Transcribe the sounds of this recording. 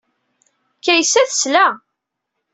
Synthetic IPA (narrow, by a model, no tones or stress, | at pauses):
kːæjsæθə̥slæ